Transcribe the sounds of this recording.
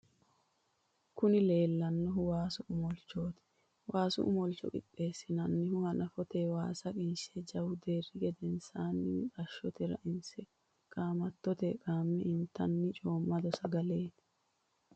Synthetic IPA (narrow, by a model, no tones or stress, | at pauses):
kʊnɪle̞ːlːɐnːɔɦʊwaːsʊʔʊmɔlt͡ʃːo̞ːt̪ɪ̥ | wʔaːsʊ̰ʔʊ̰mɔlt͡ʃːɔ̰kʼɪ̰pʼːe̞ːsːɪnɐnːɪhʊhɐnɐfɔt̪ewaːsɐkʼɪnʃed͡ʒɐwʊd̪e̞ːrːɪɡɛd̪ɛnsaːnːɪtʼɐʃːɔt̪ɛɾɐ̰ʔɪnsɛ | kʼaːmɐt̪ːɔt̪ɛkʼaːmːɛʔɪnt̪ːɐnːɪt͡ʃʼo̞ːmːɐd̪ɔsɐɡɐleːt̪ɪ̥